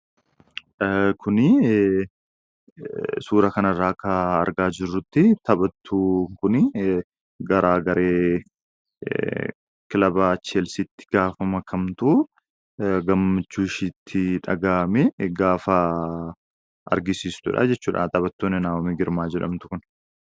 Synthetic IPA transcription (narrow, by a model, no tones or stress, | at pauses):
kʰʊnɪ | suːɾɐkɐnɐrːaːkɐːɾɡaːd͡ʒɪrːʊt̪ːɪt̪ʰɐbɐt̪ʰːuːŋkʊnɪ | ɡɐɾaːɡɐɾʔeː | kɪlɐbaːt͡ʃːɪeːlsɪt̪ːɪ̥ɡ̥aːfɐmɐkʰɐmt̪u | ɡɐmːɐt͡ʃːuːʃiːt̪ʰːɪᶑɐ̰ɡaːmɛɡaːfɐ | ɐ̰ɾɡɪsiːst̪ʊᶑa̰ːd͡ʒɛt͡ʃːuːᶑa̰nt̪ʼɐbɐt̪ːoːnːɪnaːɔmɪɡɪɾmaːd͡ʒɛᶑɐ̰mt̪ʊ̥kʊn